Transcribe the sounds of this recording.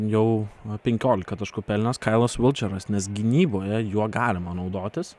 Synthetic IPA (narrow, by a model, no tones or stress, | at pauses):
jɛʊpʲɛŋʲkʲoːlʲɪkɐt̪ɐʃkʊpʲɛlʲnʲɛskɐɪlˠɐsʋʲɪlʲˠt͡ʃʲɛɾɐsnʲɛsɡʲɪnʲiːboːjɛjuɔɡɑːlʲɪmɐnɐʊd̪oːt̪ʲɪs